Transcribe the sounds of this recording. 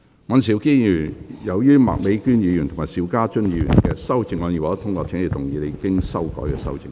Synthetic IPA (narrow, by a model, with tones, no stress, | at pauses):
ŋɔɐ˨˧ns̬i˨˩wkiː˥jyː˨˩jɐ˨˧wjyː˥ma̰ː˨k̚me˨˧jkyː˥njiː˨˧jyː˨˩nt̪ʰŋmaː˨˩siː˨˧˥wkaː˥t͡ʃɵ˥nji˧˨˧jyː˨˩nkɛː˧sɐ˥wt͡sɪ˧ŋɔ˨˧ni˨˩wt̪ːt̪ʰʊ˥ŋkʷɔː˧t͡sʰe˨˧˥ŋle˨˩t̪ʊ˨˩ŋjiː˨˧le˨˧kɪ˥ŋsɐ˥wkɔ̰ː˨˥jkɛː˧sɐ̰˥˧wt͡sɪ˨˧ŋ